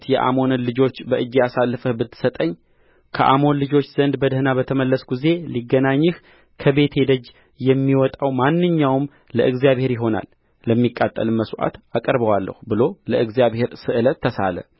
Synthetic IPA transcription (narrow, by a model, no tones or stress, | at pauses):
t̪jɛʔa̰mo̞nənlɨd͡ʒo̞t͡ʃːbəʔɨd͡ʒːijasalːfəhbɨt̪ʰːɨ̥sət̪ʼəɲː | kʰəʔa̰mo̞nlɨd͡ʒo̞t͡ʃːz̥ənd̪bəd̪əhnabət̪ʰəməlːəsɡuze̞liɡːənaɲːɨh | kʰəbe̞t̪he̞d̪əd͡ʒ | jɛmːiwɔt̪ʼawmanːɨɲːawm | ləʔɨɡzijaβhe̞ɾjɪɦo̞na̰l | ləmːikʼːat̪ʼːə̰lɨməsʔa̰t̪akʼəɾbəwalːə̰hubɨlo̞ləɨɡzijaβhe̞ɾsɨʔɨlət̪ʰːəsa̰lə̰